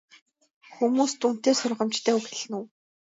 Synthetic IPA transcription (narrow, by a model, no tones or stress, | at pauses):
xumuːst̪un̥t̪eːsʊrʁə̆mt͡ɕt̪ʰæːuxĕɮɘ̆nuw